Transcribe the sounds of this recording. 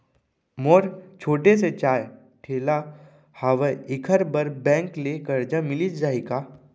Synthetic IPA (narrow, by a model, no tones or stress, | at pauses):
moːɾt͡ʃʰoːʈes̬et͡ʃaːj | ʈʰeːla | haːʋeɪkʰəɾbəɾbɛ̃ːŋklekɐɾd͡ʒamɪlid͡ʒaːika